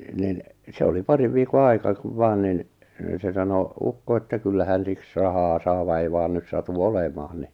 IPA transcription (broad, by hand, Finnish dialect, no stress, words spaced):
nin se oli pɑriʋ ʋiːko ɑi̞kɑ kuʋ ʋɑːn nin se sɑno ukːo etːæ kylːæ hæn siks rɑhɑː sɑː ʋɑ ei ʋɑːn nys sɑtu olemɑːn ni